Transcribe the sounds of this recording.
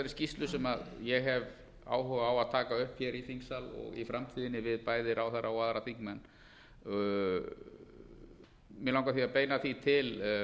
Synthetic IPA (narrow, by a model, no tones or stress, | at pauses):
aɾɪscist̪lʏsɛmaðjɛɣɦɛv | a̰ːwhœɣaːwaðt̪ʰaːkaʏhpçɛɾiθiŋksalɔ̰ɣifɾamt̪ʰiːðɪnːɪvɪðpaːjðɪɾʔawθaɾːawaðɾaθiŋkmɛnː | mjɛlãwŋkaθiapeːjnaθit̪ʰɪl